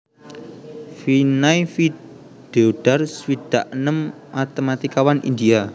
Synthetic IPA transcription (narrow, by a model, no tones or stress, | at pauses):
finaifi | ɖ̪̥eoɖ̥a̤rswid̪̥aʔnəm | at̪əmat̪ikawanʔḭnd̪ia